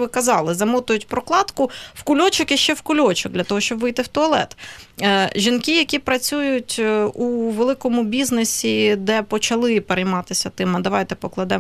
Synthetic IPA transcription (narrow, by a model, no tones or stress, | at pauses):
ʋɪkɐzɑlˠɪzɐmɔt̪ʊjʊtʲpɾɔklˠɑt̪kʊwkʊlʲɔt͡ʃɔkiʃt͡ʃːɛwkʊlʲɔt͡ʃɔk̚d̪lʲɐt̪ɔɦɔʃt͡ʃɔbʋɪjt̪ɪwt̪ɔɐlˠɛ̰t̪ː | ʒʲinkijɐkʲipɾɐt͡sʲujʊtʲuʋelˠɪkɔmʊbʲiznesʲid̪ɛpɔt͡ʃɐlˠɪpeɾejmɑt̪ɪsʲɐt̪ɪmɐd̪ɐʋɑjt̪ɛpɔklˠɐd̪ɛ